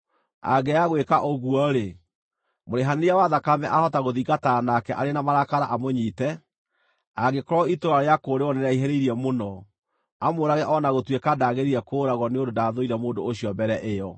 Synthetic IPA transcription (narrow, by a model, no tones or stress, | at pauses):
a̰ɡɛaɣwekaʔoɣuɔɾe | moɾeɦaneɾjawaðakamɛʔahɔtaɣoðiɡatanakɛʔaɾenamaɾakaɾaʔamoɲiːtɛ | aɡekɔɾɔitoɾaɾeakoːɾewɔnɛɾaiɦɛɾeiɾiɛmonɔ | amoɾaɣɛʔɔnaɣotwekadaɣeɾiɾɛkoːɾaɣɔneondodaðoiɾɛmoːndoːɕiɔmbɛɾɛʔejɔ